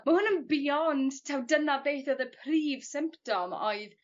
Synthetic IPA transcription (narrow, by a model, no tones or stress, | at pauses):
mahʊnənbiɔndtʰɛwdənabejθɔðəpʰriːv̥sɪmptɔmɔ̰ɨð